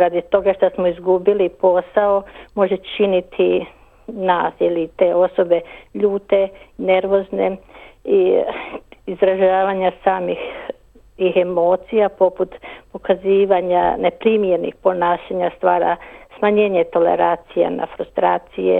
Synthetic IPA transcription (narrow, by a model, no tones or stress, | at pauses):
ɾad̪it̪o̞ɡaʃt̪asmoizɡubilipo̞saomo̞ʒet͡ʃinit̪ʰi | naːsilit̪e̞ːo̞so̞be̞ʎuːt̪e̞ne̞ɾʋo̞znḛi | izɾaʒaːʋaɲasaːmix | ixemoːt̪sijapo̞put̪pokaziːʋaɲa̰ne̞pɾimjeɾnḭxpo̞naːʃaɲast̪ʋaːɾa̰smaɲe̞ːɲet̪o̞le̞̰ɾat̪sija̰na̰fɾust̪ɾaːt̪sijḛ